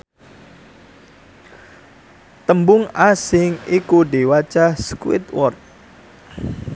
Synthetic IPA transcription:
t̪əmbʊŋasɪŋikuɖewat͡ʃahskwɪ̰t̪wɔrt̪̚

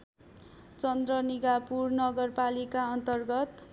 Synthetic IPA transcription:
t͡sʌnd̪rʌniɡapurnʌɡʌrpalikaʌnt̪ʌrɡʌt̪

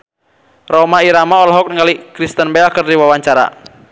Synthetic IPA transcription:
rɔmaiɾamaɔlɔɦɔk̚nəŋalikɾist̪ənbɛlkərdiwawaɲt͡ʃaɾa̰

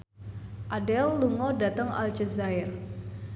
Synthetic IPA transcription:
ʔadɛlːuŋɔdat̪əŋa̰ld͡ʒəzaɪr

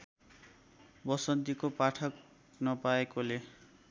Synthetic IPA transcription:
bʌsʌnt̪ikopaʈʰʌk̚ | nʌpaekole

